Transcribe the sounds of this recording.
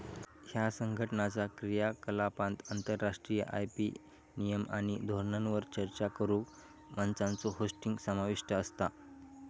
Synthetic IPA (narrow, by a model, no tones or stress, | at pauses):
hjasəŋɡʱəʈənat͡sakɾijakəlapãnt̪ənt̪əɾːaʂʈɾijə̰ʔa̰jpi | nijəma̰ɽ̃id̪ʱoɾɳanʋəɾt͡ɕəɾt͡ɕakəɾu | mənsãnt͡soɦosʈiŋɡsəmaʋiʂʈəːst̪a